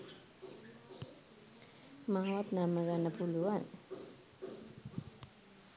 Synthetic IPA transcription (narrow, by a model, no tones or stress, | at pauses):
maɦwat̪naməɡanapʰuluwan